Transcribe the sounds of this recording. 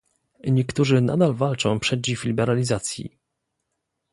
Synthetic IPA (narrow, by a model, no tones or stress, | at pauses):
ɲɛkt̪uʐɘna̰d̪alvalt͡ʂɔ̃w̃pʂɛd͡ʑiflʲibɛɾalʲizat̪sʲjḭ